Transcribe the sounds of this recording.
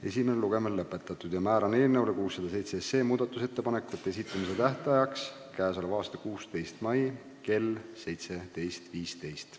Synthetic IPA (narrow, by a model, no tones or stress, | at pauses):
e̞simeneluɡ̥e̞melːɤpːˑe̞t̪ːˑɑt̪ːˑud̪̥jɑmæːɾɑne̞ːlnewlekuːsːɑd̪ɑs̬e̞jt̪sese̞ːmuːd̪̥ɑt̪ːˑuse̞t̪ːe̞pɑne̞kːˑet̪ːe̞s̬it̪ˑːɑmise̞t̪æht̪ɑjɑks | kæːs̬olevɑːst̪ɑkuːst̪e̞jst̪mɑji | ke̞lse̞jt̪se̞t̪e̞jst̪viːst̪e̞jst̪